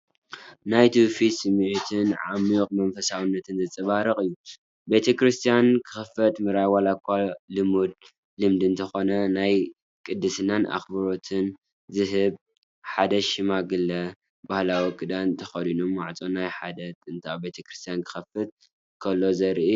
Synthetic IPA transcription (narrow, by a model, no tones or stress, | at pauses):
najt̪ʰufisɨmːɨʕut̪ʰɨnʕa̰mukʼmɐnfɐsawɨnːɐt̪ʰɨnzɐt͡sʼɐβaɾɐχʼɨjːu | be̞t̪ʰɐkɾɨst̪ʰijankʰɨ̥xɐfɐt̪mɨɾajwalakʷʰːalɨmud̪̚ | lɨmd̪ɨnt̪ʰɐxo̞nɐnaj | kʼɨd̪ːɨsɨnana̰xbɐɾo̞t̪ʰɨn | zɨɦɨb | ħad̪ɐʃɨmaɡɨlːɐ | bahlawikʼɨd̪ant̪ʰɐxɐd̪inomwaʕt͡sʼonajħad̪ɐt̪ʼɨnt̪ʰabe̞t̪ʰɐkɾɨst̪ʰijankʰɨ̥xɐfɨt̪̚ | kʰɐlːo̞zɐɾi